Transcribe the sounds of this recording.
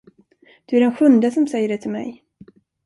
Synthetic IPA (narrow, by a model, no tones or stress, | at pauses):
d̪̥ɵæɾɛnɧɵnd̪əsɔmsɛjːəɖɛt̪ʰɪlmɛ̰j